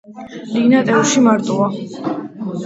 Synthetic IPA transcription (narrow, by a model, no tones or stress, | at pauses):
linat̪ʼɛuʃimaɾt̪ʼua